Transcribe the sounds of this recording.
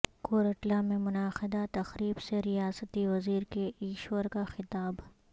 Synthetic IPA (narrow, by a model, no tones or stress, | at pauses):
koːɾəʈlamẽmʊnaːxɪd̪at̪ɐxɾiːbseɾijaːsət̪iʋɐziːɾkeʔiːʃoəɾkaxɪt̪aːb